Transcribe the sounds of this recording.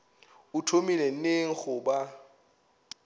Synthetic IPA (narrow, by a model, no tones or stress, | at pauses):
utʰomilɛn̩neŋ̩χʊba